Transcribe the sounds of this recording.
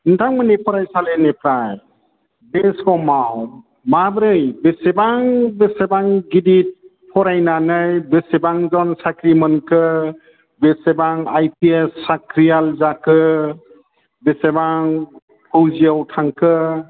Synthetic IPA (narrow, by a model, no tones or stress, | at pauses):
ntʰaŋmɯnepʰɔɾajsalenepʰɾaj | beskɔmaw | mabɾɯjbesebaŋbesebaŋɡidit̚ | pʰɔɾajnanɯjbesebaŋzɔnsakʰɾimɯnkʰɯ | besebaŋajpiesːakʰɾijalzakʰɯ | besebaŋ | pʰɯwziawtʰaŋkʰɯ